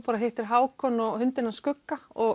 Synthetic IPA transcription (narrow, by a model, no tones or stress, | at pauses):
paːɾaɦeht̪ɪɾ̥ɦaːwkʰɔnɔhʏnt̪ɪnːaskʏkːaɔ